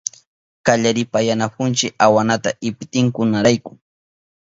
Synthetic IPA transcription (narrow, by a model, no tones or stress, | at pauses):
kaʎaɾɪpajanap̚ʊnt͡ʃɪawanat̪aʔɪpt̪ɪŋkʊnaɾajkʊ